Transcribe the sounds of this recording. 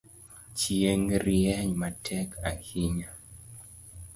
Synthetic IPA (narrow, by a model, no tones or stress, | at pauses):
t͡ʃjeŋɾiɛɲmatʰɛkʰa̰hiɲa